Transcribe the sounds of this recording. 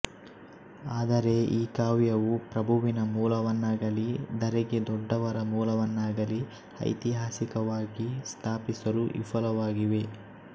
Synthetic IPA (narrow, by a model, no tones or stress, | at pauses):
aːd̪ɐɾe̞iːkaːʋjɐʋupɾɐbʱuʋinɐmuːlɐʋɐnːaːɡɐlid̪ɐɾɛɡe̞d̪ɔɖːɐʋɐɾɐmuːlɐʋɐnːaːɡɐli | ɐ̰jt̪iɦaːsikɐʋaːɡist̪ʰaːpisɐɾuʔifʰɐlɐʋaːɡiʋe̞